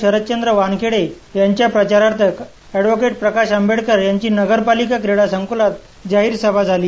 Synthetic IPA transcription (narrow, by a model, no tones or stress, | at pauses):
ɕəɾət̪̚t͡ɕənd̪ɾəʋankʰeɽe | jaɲt͡ɕjapɾət͡ɕaɾaɾt̪ʰək | ɛɖʋokeʈ̚pɾəkaɕəmbeɽkəɾjaɲt͡ɕiːnəɡəɾpalikakɾeɽasəŋkolat̪̚ | d͡ʑaɦiːɾsəbʱad͡zʱaliː